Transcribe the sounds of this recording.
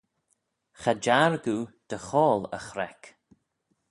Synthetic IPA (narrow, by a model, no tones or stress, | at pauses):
xad͡ʒaɹɡud̪̥əxɔːlə̰xɾɛk